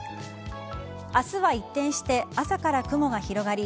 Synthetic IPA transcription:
asɨβait̪ːẽ̞ɰ̃ɕi̥t̪e̞asakaɾakɯ̟mo̞ɡaçiɾo̞ɡaɾʲi

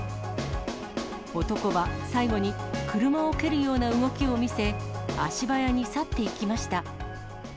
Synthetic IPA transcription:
o̞t̪o̞ko̞βasaiɡo̞ɲ̟ikɯ̟ɾɯ̟mao̞ke̞ɾɯ̟jo̞ːnaɯɡo̞kʲio̞mʲise̞a̰ɕibajaɲ̟isat̪ːe̞ikʲimaɕi̥t̪a

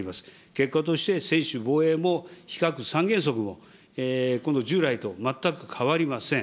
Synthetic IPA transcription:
imasɨ̥ | ke̞kːat̪̬o̞ɕi̥t̪e̞sẽ̞ɰ̃ɕɨbo̞ːe̞ːmo̞çi̥kakɯ̟sãŋɡẽ̞ɰ̃s̬o̞k̬ɯ̟mo̞̰ | ekond̪o̞ʑɨːɾait̪o̞mat̪ːakɯ̟kʰaβaɾʲimasẽ̞

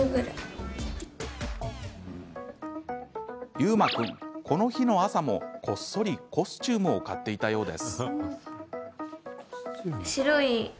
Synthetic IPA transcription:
ɯɡɯ̟ɾɯ̰ | jɯ̟ːmakɯ̟̃ŋko̞no̞çino̞asamo̞kʰo̞sːo̞ɾʲiko̞sɨ̥t͡ɕɨːmɯ̟o̞kat̪ːe̞it̪ajo̞ːd̪e̞̰sɨ̥ | ɕiɾo̞i

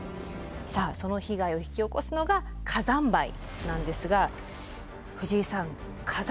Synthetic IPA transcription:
saːso̞no̞çiɡaio̞çi̥kʲio̞ko̞sɨno̞ɡa | kʰazãmbaḭ | nãnd̪e̞sɨɡa | ɸɯ̟ʑiːsãŋ | kʰaz

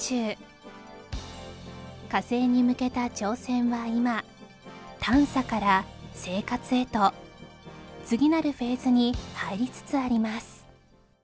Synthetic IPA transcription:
t͡ɕɨː | kase̞ːɲ̟imɯ̟ke̞t̪at͡ɕo̞ːsẽ̞ɰ̃βaima | t̪ʰãɰ̃sakaɾase̞ːkat͡sɨe̞t̪o̞ | t͡sɨɡʲinaɾɯ̟ɸe̞ːzɨɲ̟ihaiɾʲit͡sɨ̥t͡sɨaɾʲimasɨ̥

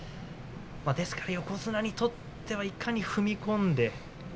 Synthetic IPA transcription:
mad̪e̞sɨ̥kaɾajo̞ko̞zɨnaɲ̟it̪o̞t̪ʰːe̞βaikʰaɲ̟iɸɯ̟mʲikõ̞nd̪e̞

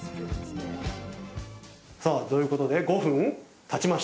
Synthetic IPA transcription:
saːd̪ojɯ̟ːko̞t̪o̞d̪e̞ɡo̞ɸɯ̟̃ɴ | t̪ʰat͡ɕimaɕ

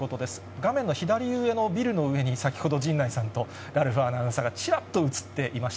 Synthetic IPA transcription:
ot̪o̞d̪e̞sɨ̥ɡamẽ̞nːoçid̪aɾʲiɯːe̞no̞bʲiɾɯ̟no̞ɯ̟e̞ɲ̟isakʲi̥ho̞d̪o̞d͡ʑĩnːaisãnt̪o̞ | ɾaɾɯ̟ɸaːnaɯ̃saɡat͡ɕiɾat̪ːo̞ɯ̟t͡sɨ̥t̪ːe̞ʔimaɕi̥

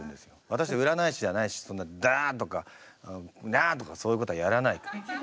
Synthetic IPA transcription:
ɯ̟̃nd̪e̞sɨ̥jo̞βat̪aɕ̬id̪aɯ̟ɾanaiɕid̪eanaiɕi̥sõ̞nːad̪at̪o̞ka | nat̪o̞kaso̞ːiɯ̟kot̪o̞ajaɾanaik

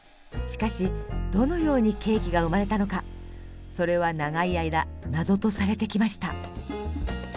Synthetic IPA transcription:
ɕi̥kaɕid̪̥o̞no̞jo̞ːɲ̟ike̞ːkʲiɡaɯ̟maɾe̞t̪ano̞ka | so̞ɾe̞β̞anaɡaiaid̪anazo̞t̪o̞saɾe̞t̪e̞kʲimaɕi̥t̪a

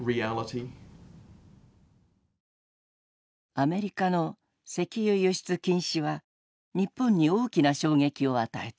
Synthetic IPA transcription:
ɹiælətʰi | ame̞ɾʲikano̞ | se̞kʲijɯjɯ̟ɕi̥t͡sɨkʲĩɰ̃ɕiβa | ɲ̟ipːõɲ̟ːio̞ːkʲinaɕo̞ːɡe̞kʲio̞at̪ae̞t̪

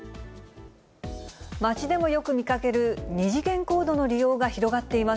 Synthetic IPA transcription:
mat͡ɕid̪e̞mo̞jo̞kɯ̟mʲikake̞ɾɯ̟ɲ̟iʑikẽ̞ŋko̞ːd̪o̞no̞ɾʲijo̞ːɡaçiɾo̞ɡat̪ːe̞ima

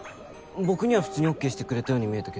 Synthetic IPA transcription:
bo̞kɯ̟ɲ̟iβaɸɯ̥t͡sɨːɲ̟io̞kːeːɕi̥t̪e̞kɯ̟ɾe̞t̪ajo̞ːɲ̟imʲie̞t̪aked̪

